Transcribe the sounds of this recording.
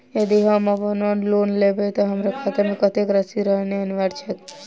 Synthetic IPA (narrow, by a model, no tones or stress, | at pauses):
jəd̪iɦəməpənənlonlebet̪ɔɦəmɾekʰat̪eɾmẽkət̪ekɾəsiɾəɦneəniʋaɾt͡ʃʰek